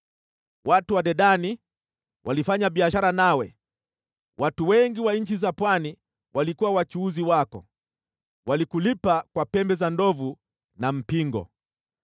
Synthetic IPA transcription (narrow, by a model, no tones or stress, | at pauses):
watuwaɗɛɗani | wʔalifaɲaɓiaʃaɾanawɛ | wʔatuwɛŋɡiwaɲ̩t͡ʃizapwani | wʔalikuwawat͡ʃuːziwakɔ̰ | walikulipakwapɛmbɛzandɔvu | nam̩piŋɡɔ̰